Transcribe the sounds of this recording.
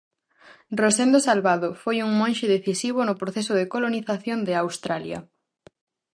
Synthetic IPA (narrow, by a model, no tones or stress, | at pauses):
rosend̪osalβaðofojuŋmõnʃeðeθisiβ̞onʊpɾoθesʊðekoloniθaθjond̪ɪawst̪ɾaljɐ̰